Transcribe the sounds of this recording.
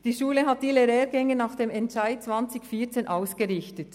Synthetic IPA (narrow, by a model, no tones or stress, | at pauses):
d̥iːʃuːləɦat̚d̥ileʁɛːɾɡɛŋənaxd̥eːmɛntʃaɪt̚t͡svant͡sɪçfiːɐt͡seːnʔaʊsɡ̥əʁɪçtət